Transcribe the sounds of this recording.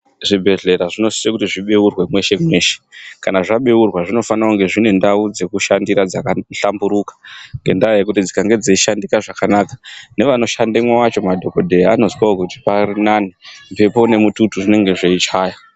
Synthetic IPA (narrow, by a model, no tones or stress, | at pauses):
ʐibʱe̞ɮe̞ɾaʐino̞sijekutiʐiɓeurwe̞mwe̞ʃe̞mwe̞ːʃe̥kanaʐaɓeurwaʐino̞fanauŋɡe̞ʐine̞ndaud͡ze̞kuʃandiɾad͡zakaɬambuɾukḁŋɡe̞ndaojekutid͡zikaŋɡe̞d͡zeiʃandikaʐakanaːkḁne̞ʋano̞ʃandemwawat͡ʃo̞madʱo̞ko̞dʱeano̞zwaokuti̥parinanim̩pe̞pone̞mututuʐine̞ŋɡe̞ʐeit͡ʃaːjo